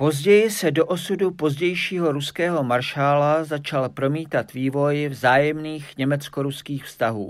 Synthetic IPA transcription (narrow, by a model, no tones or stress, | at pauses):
po̞zɟɛjɪsɛdoʔosudupo̞zɟɛjʃiːɦo̞ɾuskɛːɦo̞maɾʃaːlazat͡ʃalpɾo̞miːt̪at̪viːvo̞jvzaːjɛmniːxɲɛmɛt͡skoɾuskiːxfst̪aɦṵː